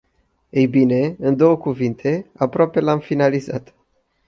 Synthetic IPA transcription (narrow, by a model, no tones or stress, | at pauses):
ejbine̞ɨnd̪o̞wəkuvint̪ʰe̞apɾoape̞lamfinalizat̪